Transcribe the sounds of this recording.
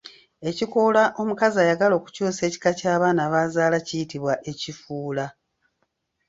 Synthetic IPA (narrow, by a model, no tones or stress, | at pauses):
e̞cikolaʔo̞mukazajaɡalo̞ːku̥cuːse̞ːci̥kacaːβaːnaːβaːzaːlacijitiβwaʔe̞cifuːla